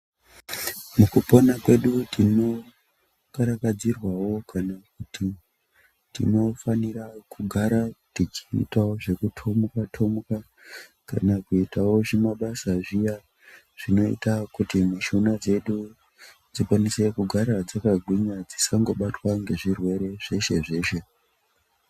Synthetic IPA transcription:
mukuponakwe̞ɗutino̞ | kaɾakad͡zirwawo̞kʰanakuti | tḭno̞fanirakuɡʱaɾatit͡ʃḭtaoʐe̞kutʰomukatʰomuka | ka̰nakuitawo̞ʐemaɓasaʐija | ʐ̥ino̞ḭtakutimuʃunad͡ze̞ɗu | d͡zikwanise̞kuɡʱaɾad͡zakaɡʱwiɲad͡zisaŋɡo̞ɓatwaŋɡe̞ʐirwe̞ɾe̞ʐ̥e̞ʃe̞ʐe̞ːʃe̞

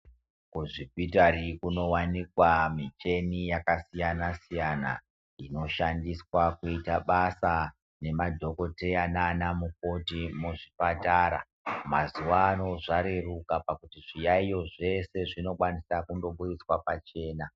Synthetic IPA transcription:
kuʐibʱitarikuno̞wanikwamit͡ʃe̞nijakasijanasijana̰ | ino̞ʃandiswakuitaɓasa | ne̞madʱo̞ko̞te̞jananamuk̚o̞timuʐipataːɾa̰ | mazuwaːno̞ʐaɾe̞rukapakutiʐijaijo̞ʐe̞se̞ʐino̞kwanisakundo̞ɓurit͡swapat͡ʃe̞ːna

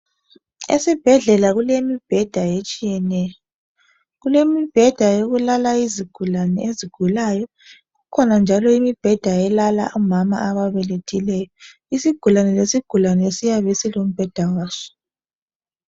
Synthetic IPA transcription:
ḛsib̥ʱɛɮɛlaɣulemib̥ʱɛd̥ʱajet͡ʃʼijɛnɛːjɔ | ɣulemib̥ʱɛd̥ʱajoɣulalaiziɡ̥ʱulanɛeziɡ̥ʱulajɔ | ɣukʰɔnand͡ʒʱalɔimib̥ʱɛd̥ʱaɛlala̰ʔumama̰aβaβɛletʰilɛːjɔ | isiɡ̥ʱulanɛlesiɡ̥ʱulanɛesijaβɛsilom̩b̥ʱɛd̥ʱawaːsɔ̥

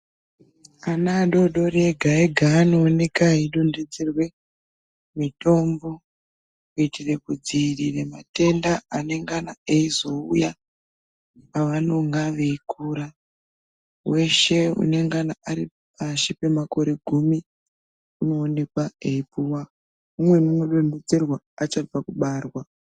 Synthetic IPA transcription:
anaɗo̞ɗo̞ɾe̞ɡʱaeɡʱaːno̞ːne̞kaiɗonded͡zirwe̞ | mito̞mbo̞ | kuitire̞kud͡ziriremate̞ndaane̞ŋɡanaeizo̞uja | paʋano̞ŋɡaʋeikuɾa | we̞ʃe̞ṵne̞ŋɡanaaɾi | paʃipe̞mako̞ɾe̞ɡʱumi | uno̞ːne̞kwaeipuwa | umwenunoɗo̞nde̞d͡ze̞rwa | at͡ʃab͡vakuɓaːrwa

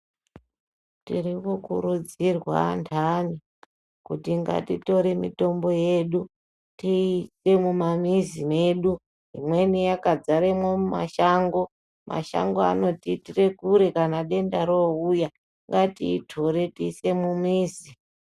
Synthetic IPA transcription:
tiripokuɾud͡zirwa̰ntʰani | kutiŋɡa̰tito̞ɾemḭto̞mbo̞je̞ɗu | tise̞mumamizime̞ɗu | ɦimwe̞nijakad͡zaɾemwomuma̰ʃaːŋɡo̞ | mʔa̰ʃa̰ŋɡoa̰no̞titire̞kuɾekanaɗe̞ndaɾouja | ŋɡatiːtʰo̞ɾe̞tiːse̞mumiːzi

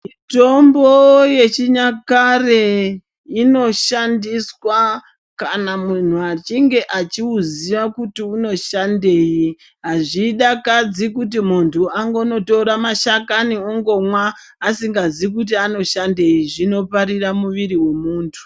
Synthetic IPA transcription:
mito̞mboje̞t͡ʃiɲakare | ino̞ʃandiswa | kanamun̤uat͡ʃiŋɡe̞ʔat͡ʃiuziʋakutiuno̞ʃande̞ji | ɦaʐiɗakad͡zikut̬imuntʰuaŋɡo̞no̞to̞ɾamaʃakanioŋɡo̞mwaː | siŋɡazik̬ut̬iano̞ʃande̞jiʐino̞paɾiramuʋiɾiwemuːntʰu̥

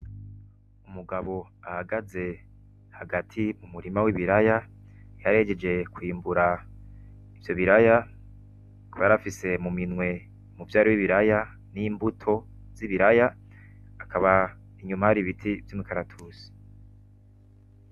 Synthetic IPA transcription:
umuɡaβo̞ahaɡaze̞ | haɡatʰimumuɾimawiβiɾajajaɾe̞ɟed͡ʒe̞kwiːmbuɾa | ivjo̞βiɾaja | kuβajaɾafise̞muminwe̞ | muvjaːɾiwiβiɾaja | niːmbutʰo̞ | z̥iβiɾajaː | kʰaβa | iɲumahaɾiβitʰivjumikʰaɾatʰusi̥

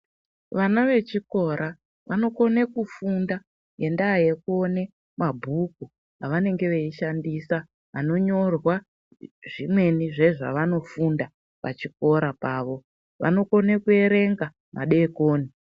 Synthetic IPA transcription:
ʋanaʋe̞t͡ʃiko̞ɾʔa | ʋano̞ko̞nekufunda | je̞ndaːje̞kuone̞ | mabʱuku | aʋane̞ŋɡe̞ʋe̞iʃandiːsa | ano̞ɲo̞rwa | ʐimwe̞niʐe̞ʐa̰ʋano̞funda | pa̰t͡ʃiko̞ɾapaːʋo̞ | ʋa̰no̞konekue̞ɾe̞ŋɡa | mʔa̰ɗeːkoːni

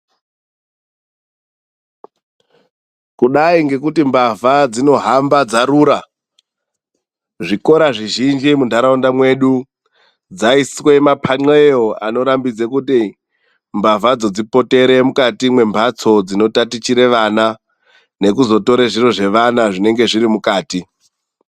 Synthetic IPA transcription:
kuɗaiŋɡe̞kutimbavad͡zino̞ɦambad͡zaɾuːɾa | ʐiko̞ɾaʐiʒind͡ʒimundʱaɾaundamwe̞ɗu | d͡zaiswe̞mapʰaŋ͡ǀeeoa̰no̞ɾambid͡zekuti | mbavad͡zo̞d͡zipo̞te̞ɾe̞mukatimwe̞mbʱat͡so̞d͡zino̞tatit͡ʃiɾe̞ʋana | ne̞kuzo̞to̞ɾeʐiro̞ʐe̞ʋanaʐine̞ŋɡe̞ʐiɾimukaːti

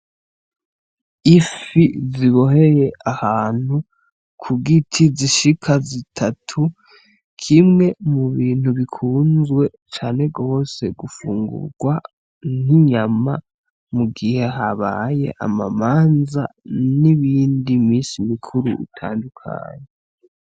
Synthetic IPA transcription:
ifiziβo̞ɦe̞je̞ʔahaːn̥hu | kʰuɡitʰiziʃikʰazitʰatʰu | kʰimŋe̞muβiːn̥huβikʰuːnzwe̞ | t͡ʃaːne̞ɡo̞ːse̞ɡufuːŋɡṵɾɡwa | n̥iɲama | muɡihe̞ɦaβa̰je̞̰ʔa̰ma̰maːnza̰niβiːndimiːsimikʰuɾṵʔḭtʰa̰ːndukʰa̰ːɲe

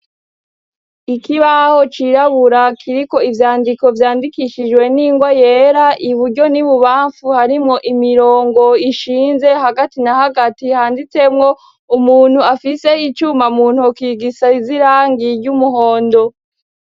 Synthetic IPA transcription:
ikiβaho̞t͡ʃiɾaβuɾakʰiɾiko̞ivjaːndiko̞vjaːndikiʃid͡ʒwe̞niːŋɡwajeɾaʔiβuɾɟo̞niβuβaːɱfuhaɾimŋo̞ʔimiɾo̞ːŋɡo̞iʃiːnze̞haɡatinahaɡatihaːndit͡se̞mŋo̞ | umuːn̥huafise̞it͡ʃumamuːn̥huokiːɡisaiziɾaːŋɡiɾɟumuɦo̞ːndo̞

